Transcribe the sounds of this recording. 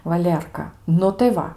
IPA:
ʋɐˈlʲiɛrkɐ ˈnʊ tɐɪ ˈʋɐ

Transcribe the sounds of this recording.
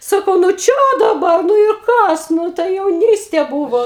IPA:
ˈsɑːkɐʊ nʊ ˈt͡ʃʲɛ dɐˈbɐr nʊ ɪr ˈkɐs ˈnʊ tɐɪ jɛʊˈnʲiːsʲtʲeː ˈbuːʋoː

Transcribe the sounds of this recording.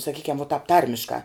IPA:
sɐˈkʲiːkʲɛm ʋoː tɑːp ˈtɐrʲmʲɪʃkɑː

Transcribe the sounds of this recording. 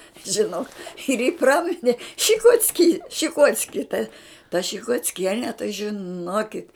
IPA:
ʒʲɪˈnoːk ɪr jiː ˈprɑːmʲɪnʲɛ ʃʲɪkoːt͡sʲˈkʲiː ʃʲɪˈkoːt͡sʲkʲɪ tɐ tɐ ʃʲɪkoːt͡sʲˈkʲiɛnʲɛ tɐɪ ʒʲɪˈnoːkʲɪt

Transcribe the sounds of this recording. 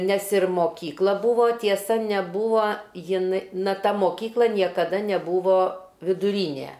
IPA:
nʲɛs ɪr moːˈkʲiːklˠɐ ˈbuːʋoː tʲiɛˈsɐ nʲɛˈbuːʋoː jɪˈn nɐ ˈtɐ moːˈkʲiːklˠɐ nʲiɛkɐˈdɐ nʲɛˈbuːʋoː ʋʲɪdʊˈrʲiːnʲeː

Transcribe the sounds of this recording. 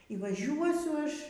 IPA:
iː ʋɐˈʒʲuɔsʲʊ ˈɐʃ

